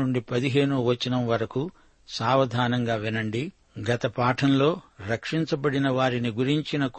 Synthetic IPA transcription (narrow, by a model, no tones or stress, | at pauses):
uɳɖipɐd̪iɦeːnuʋɐt͡ʃːinɐmʋɐɾɐku | saːʋɐd̪ʱaːnɐŋɡaːʋinɐɳɖi | ɡɐt̪ɐpaːʈʰɐmlo̞ːɾɐkʂiɲt͡ʃɐbɐɽinɐʋaːɾiniɡuɾiɲt͡ʃinɐk